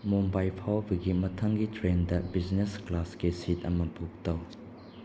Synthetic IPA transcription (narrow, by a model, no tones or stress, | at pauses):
mɔmbajpʰawbiɡit̚mɐtʰɐŋɡitɾendɐbiznesklaskesit̚ɐmɐbuk̚tɐw